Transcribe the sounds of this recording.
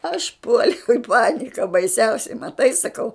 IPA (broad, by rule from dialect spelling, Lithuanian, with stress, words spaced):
ɐʃ ˈpuɔlʲɛʊ ɪ ˈpɑːnʲɪkɐ bɐɪˈsʲɛʊsʲɛɪ mɐˈtɐɪ sɐˈkɐʊ